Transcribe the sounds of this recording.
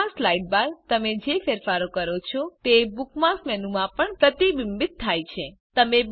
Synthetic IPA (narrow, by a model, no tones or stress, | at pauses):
aslajʈ̚baɾt̪əmed͡ʒefeɾfaɾokəɾot͡ʃʰɔt̪ebukmasmɛnumãpəɳpɾət̪iʋimbɪt̪ʰːajt͡ʃʰe | t̪əmeb